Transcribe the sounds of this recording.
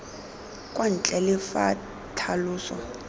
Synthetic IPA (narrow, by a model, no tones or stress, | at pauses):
kʼwan̩t͡ɬʼɛlɪfa̰ | tʰaluːsɔ̰